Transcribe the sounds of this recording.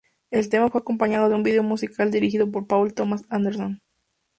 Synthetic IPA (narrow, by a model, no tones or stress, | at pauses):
e̞lt̪e̞mafwe̞ako̞mpaɲað̞o̞ðeumbiðe̞omusikald̪iɾixiðo̞p̬o̞ɾpawlt̪omasand̪e̞ɾson